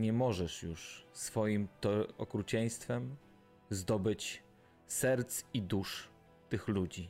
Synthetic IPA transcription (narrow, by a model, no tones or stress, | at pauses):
ɲɛmɔʐɛʂjuʂsfɔjimt̪ɔɔkɾut͡ɕɛj̃st̪fɛm | zd̪ɔbɘt͡ɕ | sɛɾt̪sid̪uʂ | t̪ɘxlud͡ʑi